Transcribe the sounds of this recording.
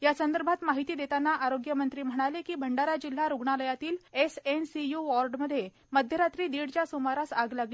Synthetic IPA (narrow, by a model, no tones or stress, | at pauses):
jasənd̪əɾbʱat̪maɦit̪iːd̪et̪anːaʔaɾoɡjəmənt̪ɾiːm̤əɽ̃alekiːbʱəɳɖaɾad͡ʑil̤ːaɾuɡɳaləjat̪iːlesensijuʋɔɾɖməd̪ʱje | məd̪ʱjəɾat̪ɾiːd̪iɽt͡ɕjasomaɾasaɡlaɡli